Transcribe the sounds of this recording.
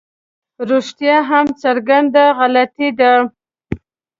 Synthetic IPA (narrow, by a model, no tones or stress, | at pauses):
ɾoʃt̪jɑɦamt͡saɾɡand̪aɣalat̪id̪a